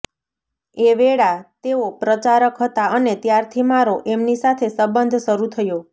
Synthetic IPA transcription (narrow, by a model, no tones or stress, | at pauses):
eʋeɭat̪eopɾət͡ʃaɾəkɦət̪aənet̪jaɾt̪ʰimaɾoʔemnisat̪ʰesəbənd̪ʱʃəɾut̪ʰəjo